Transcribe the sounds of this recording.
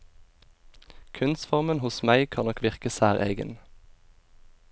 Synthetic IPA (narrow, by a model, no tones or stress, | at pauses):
kʰʉnsfɔʁmənhʊsmæɪkʰɑːnɔkʰʋɪʁkəsæːʁʔḛːɡə̰n